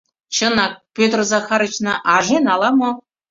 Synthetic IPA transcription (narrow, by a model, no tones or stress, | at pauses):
t͡ɕə̆nɑk̚pʲøt̪rzɑxɑɾət͡ɕnɑʔɑʒenɑlˠɑmo